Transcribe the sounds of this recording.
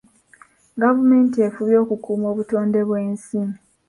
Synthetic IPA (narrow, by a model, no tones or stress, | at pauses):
ɡavume̞ːntie̞fuβjo̞ːkukuːmo̞ːβutoːnde̞βwe̞ːnsiːmi